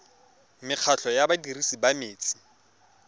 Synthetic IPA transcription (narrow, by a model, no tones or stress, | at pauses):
mɪq͡χʰaɬʰɔjabadirisibameːt͡sʼi̥